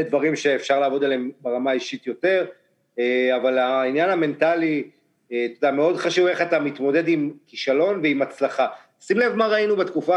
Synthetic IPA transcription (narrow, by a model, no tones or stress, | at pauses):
dvaʁimʃe̞ːfʃaʁlaːvo̞dalembeʁamaiʃit̪jo̞te̞ʁ | eavalainjaname̞ntali | et̪odame̞o̞dχaʃuve̞χatamit̪mo̞de̞dimkiʃalo̞nveimat͡slaχa | simlevmaʁainubet̪kufa